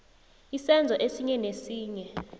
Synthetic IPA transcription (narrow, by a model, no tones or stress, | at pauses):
isɛnd͡zʱɔʔesiɲɛnesiːɲɛ